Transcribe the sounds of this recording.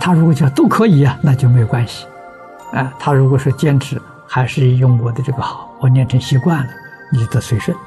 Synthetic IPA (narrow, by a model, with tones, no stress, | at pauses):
t̪ʰa˥ɻu˧˥kwɔ˨˩t͡ɕo˥˩˧t̪o˥˩ʊkʰɤ˧˥i˨˧˥ɐ˧na˥˧t͡ɕjo˥˩ʊme˥jʊkwa˥nɕi̥˨ | a˧˩t̪ʰa˥ɻu˧˥kwɔ˨˩ʂɻ̩˥˩t͡ɕjɛ˥nʈ͡ʂʰɻ̩˧˥ | xa˧˥ɪʂɻ̩˥˧˩jʊ˥˩ŋkwɔ˧˥d̪ə˧ʈ͡ʂɤ˥˩ɡə˧˩xɑ˨˩˦ʊ˦wɔ˧˩njɛ˥˩nʈ͡ʂʰɤ˧˥ŋɕi˧˥kwa˥˩nlə˩ | ni˨˩t͡ɕjo˥˩t̪ɤ˧˥swe˧˥ɪʂə˥˩n